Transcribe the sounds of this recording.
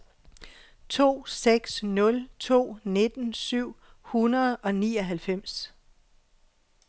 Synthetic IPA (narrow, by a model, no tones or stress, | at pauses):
t͡sʰo̝̰ːseɡ̥snɔ̽lt͡sʰo̝̰ːne̝d̥n̩syʊ̰ | hunɐð̞̩ˠɒ̽niːɒ̽ɦælfem̰s